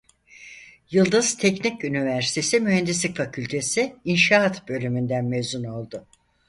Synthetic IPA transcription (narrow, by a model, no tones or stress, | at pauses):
jɯlˠd̪ɯz̥t̪ʰɛcnicynivæɾsi̥t̪ʰe̞simyhɛnd̪islʲikfacʰylʲt̪ʰe̞sɪinʃaat̪bø̞lʲymynd̪ænmevzuno̞lˠd̪ʊ